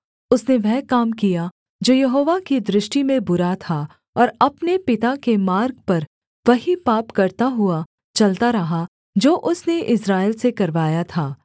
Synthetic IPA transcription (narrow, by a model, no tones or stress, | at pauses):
ʊsneʋɛɦkaːmkija | d͡ʒoːjɐɦoːʋakid̪ɾɪʃʈimẽbʊɾat̪ʰa | ɔːɾɐpnepɪt̪akemaːɾɡ̚pɐɾ | ʋɐɦipaːpkɐɾt̪aɦʊa | t͡ʃɐlt̪aɾɐɦa | d͡ʒoːʔʊsneʔɪsɾaːɪlsekɐɾʋaːjat̪ʰaː